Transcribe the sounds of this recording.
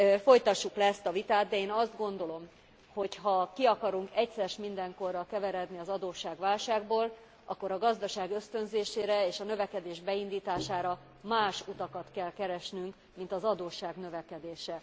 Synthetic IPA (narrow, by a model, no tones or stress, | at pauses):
fo̞jt̪ɒʃːuklɛɛst̪ɒvit̪aːd̪̚d̪ɛeːnɒzd̪ɡo̞nd̪o̞lo̞m | ho̞chɒkiɒkɒɾuŋkɛcsɛɾɛʃmind̪ɛŋko̞rːɒkɛvɛɾɛd̪niɒzɒd̪oːʃaːɡʋaːlʃaːɡboːl | ʔɒkːo̞ɾɒɡɒzd̪ɒʃaːɡø̞st̪ø̞nzeːʃeːɾɛeːʃɒnø̞vɛkɛd̪eːʒbɛind̪iːt̪aːʃaːɾɒ | maːʃut̪ɒkɒt̪kɛlkɛɾɛʃnyŋk | mint̪ɒzɒd̪oːʃːaːɡnø̞vɛkɛd̪eːʃɛ